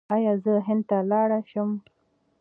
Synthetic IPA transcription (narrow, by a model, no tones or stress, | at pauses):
ɑjɑzəɦɪnd̪̚t̪alɑɽaʃəm